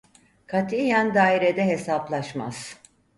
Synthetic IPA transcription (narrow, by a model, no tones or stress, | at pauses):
kʰat̪ʰijænd̪aːiɾed̪ɛɦe̞saplˠaʃma̰z̥